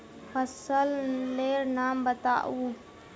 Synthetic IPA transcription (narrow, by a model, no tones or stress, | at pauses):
pʰəsəlleːɾnaːmbət̪a̰ːʔuː